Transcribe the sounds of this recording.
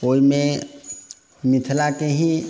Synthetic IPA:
oːimẽ | mɪt̪ʰlakeɦĩ

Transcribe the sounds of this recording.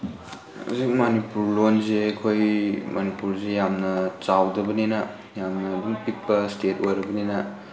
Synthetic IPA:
ṵzik̚manipuɾlonzeɐkʰojmɐnipuɾzejamnɐt͡ʃawdɐbɐninɐ | jamnɐːduŋpit̚pɐstetojɾɐbɐninɐ

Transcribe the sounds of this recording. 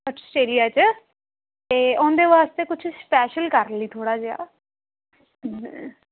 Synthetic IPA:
əsʈeːlijaːt͡ʃ | t̪eːʊ̃ːnd̪eːʋaːst̪eːkʊt͡ʃʰspɛːʃəlkəɾliːt̪ʰoːɽaːd͡ʒea̰ː

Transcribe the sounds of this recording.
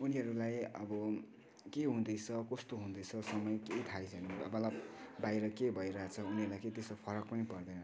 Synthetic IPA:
uniɦʌɾulajʌ̰bʌ | keɦũd̪ʌjt͡sʰʌkʌst̪oɦũnd̪ʌjt͡sʰʌsʌmʌjkejt̪ʰajt͡sʰʌniʌ̰bʌlabajɾʌkebʱʌjɾʌɦat͡sʰʌuniɦʌɾulajket̪esopʰʌɾʌk̚pʌnipʌrd̪ʌnʌ

